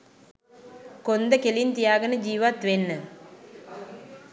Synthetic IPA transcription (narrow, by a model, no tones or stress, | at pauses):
kond̪əkelint̪ijaːɡənəd͡ʒiːʋat̪ʋenːə